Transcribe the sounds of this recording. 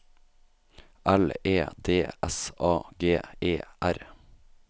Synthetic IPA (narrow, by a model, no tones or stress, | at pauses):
ʔæleːd̪eːɛsʔɑːɡeːeːʔæɾ